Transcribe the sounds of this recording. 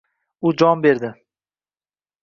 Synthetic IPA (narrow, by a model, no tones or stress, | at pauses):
ʊd͡ʒɒnbe̞ɾd̪ɪ